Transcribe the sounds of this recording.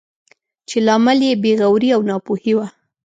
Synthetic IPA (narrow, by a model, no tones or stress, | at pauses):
t͡ʃelɑməljebeɣawɾiawnɑpohiwa